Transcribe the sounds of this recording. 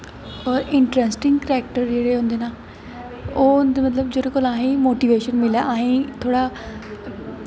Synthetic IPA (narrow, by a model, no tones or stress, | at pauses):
ɔːɾɪɳʈɾesʈɪŋɡkɾɛːk̚ʈəɾd͡ʒeːɽeːɦʊ̃ːnd̪eːnaː | oːʊnd̪eːmət̪ləbd͡ʒeːɾeːkoːlaːĩːmoːʈiːʋeːʃənmɪlaːʔaːĩːt̪ʰoːɽaː